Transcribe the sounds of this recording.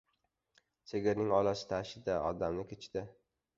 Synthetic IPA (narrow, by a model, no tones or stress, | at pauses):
seɡʲɪɾnɪŋɒlasɪ̥t̪ʰaʃɪd̪aɒd̪amnɪkʲʰet͡ʃd̪ɪ